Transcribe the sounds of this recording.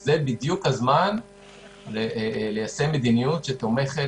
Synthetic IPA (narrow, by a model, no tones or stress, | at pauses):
zebid̪jukhazman | lele̞jaseme̞d̪inijut̪ʃet̪o̞me̞χe